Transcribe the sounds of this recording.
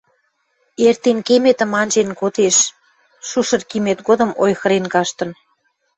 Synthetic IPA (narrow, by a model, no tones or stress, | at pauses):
ert̪enkemet̪ə̆mɑnʲʒenkot̪eʃː | uʃɤ̆rkimet̪ɡod̪ə̆mojxə̆ɾenkɑʃt̪ə̆n